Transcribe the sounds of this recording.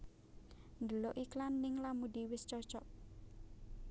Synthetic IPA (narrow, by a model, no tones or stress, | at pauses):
nd̪əloʔiklanːɪŋlamud̪iwɪst͡ʃɔt͡ʃɔʔ